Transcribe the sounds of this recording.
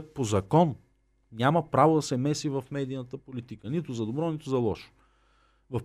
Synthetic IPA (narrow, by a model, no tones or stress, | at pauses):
pozɐkɔn | nʲaməpɾavod̪ɐsɛmɛsivɐfmɛd̪iːnət̪əpolit̪ikənit̪ʊzɐd̪obɾɔnit̪ʊzɐlˠɔʃo̥ | vɐf